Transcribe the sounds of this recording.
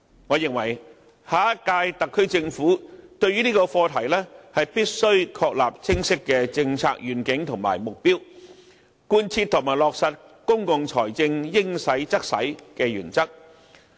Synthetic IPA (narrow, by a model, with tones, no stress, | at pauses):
ŋɔː˨˧jɪ˨ŋwɐ˨˩j | haː˨˥kaː˧jt̪ɐ˨kʰːɵ˥ɥt͡sɪ˧ŋfuː˨˥t̪ɵ˧ɥyː˥niː˥kɔː˧fɔː˧t̪ʰɐ˨˩jlɛː˥hɐ˨jpiː˥t̚sɵ˥ɥkʰɔː˧k̚laː˨p̚t͡sʰɪ˥ŋsɪ˥kːɛː˧t͡sɪ˧ŋt͡sʰa̰ː˧k̚jyː˨˩nkɪ˨˥ŋt̪ʰʊ˨˩ŋma̰ː˨˩jmʊ˨k̚piː˥w | kuː˧nt͡sʰiː˧t̪ʰːʊ˨˩ŋmaː˨˩jlɔː˨k̚sɐ˨t̚ | kʊ˥ŋkʊ˨˧ŋt͡sʰɔː˨˩jt͡sɪ˧ŋjɪ˥ŋsɐ˨˥jt͡sɐ˥k̚sɐ̰˨˥jkɛː˧jyː˨˩nt͡sɐ˥k̚